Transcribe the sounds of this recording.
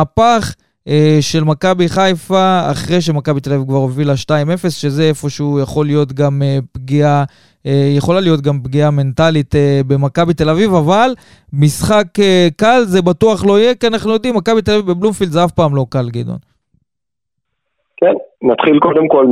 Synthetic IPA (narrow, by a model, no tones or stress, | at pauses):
apaχ | eʃe̞lmakabiχajfa̰ːχʁejʃ̬emakabit̪elavivkvaʁovilaʃtaime̞fe̞sʃe̞zeefo̞ʃeujaχo̞lːijo̞t̪ɡamepɡia | ejeχo̞lalijo̞t̪ɡampɡiame̞nt̪alit̪ebe̞makabit̪e̞lavivaval | misχakekalzebat̪uaχlo̞ijekianaχnujo̞d̪imːakabit̪elavivbeblumfild̪zeafpaːmlo̞kalɡed̪o̰n | kennat̪χilko̞d̪emkol